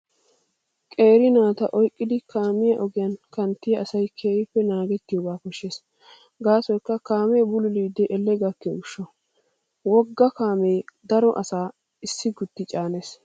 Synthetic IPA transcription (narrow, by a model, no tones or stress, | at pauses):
kʼe̞ːɾɪnaːt̪ɐʔɔjkʼːɪd̪ɪkʰaːmɪjɐʔɔɡɪjɐnkɐnt̪ːɪjɐʔɐsɐjkʰeːɾɪpːɛnaːɡɛt̪ːɪjoːɡaːkɔʃːeːs | ɡaːsɔjkːɐkaːmeːbʊlʊliːd̪ːɛʔɛlːɛɡɐkːɛʊʃːɔ | wɔɡːɐkaːmeːd̪ɐɾɔʔɐsaː | ɪsːɪɡʊt̪ːɪt͡ʃʼaːneːs